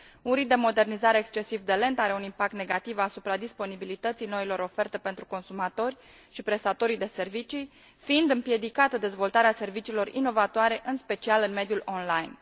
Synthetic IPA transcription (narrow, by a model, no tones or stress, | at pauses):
unɾid̪emo̞d̪e̞rnizaɾe̞ːkst͡ʃe̞sivd̪e̞le̞nt̪aɾe̞unimpak̚t̪ne̞ɡat̪ivasupɾad̪ispo̞nibilit̪ət̪sijno̞ilo̞ɾo̞fe̞rt̪e̞pe̞nt̪ɾuko̞nsumat̪o̞rʲ | ʃipɾe̞st̪at̪o̞ɾijd̪e̞se̞rvit͡ʃi | fiind̪ɨmpje̞d̪ikat̪əd̪e̞zvo̞lt̪aɾease̞rvit͡ʃiːlo̞ɾino̞vat̪oaɾe̞ʔɨnspe̞t͡ʃialɨnme̞d̪julʔonlajn